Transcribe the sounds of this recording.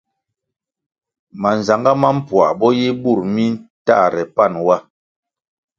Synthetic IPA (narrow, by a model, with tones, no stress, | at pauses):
ma˨n˨za˨ŋɡa˦ma˦m̩˦pwa˨bɔ˦ji˦bu˦˨ɾmi˦n˦ta̰˦˨ɾɛ˨pa˦˨nwa˦